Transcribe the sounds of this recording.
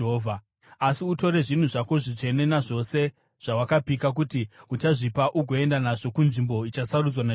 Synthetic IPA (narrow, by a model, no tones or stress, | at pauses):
vʱa | asiuto̞ɾe̞ʐin̤uʐakoʐit͡ʃe̞ne̞naʐo̞se̞ | ʐ̥awakapikak̬utiut͡ʃaʐipaʔuɡʱo̞e̞ndanaʐo̞kunʐimbo̞it͡ʃasarud͡zwana